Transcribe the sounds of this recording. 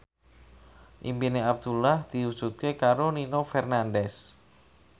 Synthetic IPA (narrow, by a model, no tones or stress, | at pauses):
ʔimbineab̚d̪̥ulahd̪̥i̤u̥d͡ʒ̥ṳt̪̚kekaɾoninofɛrnandɛs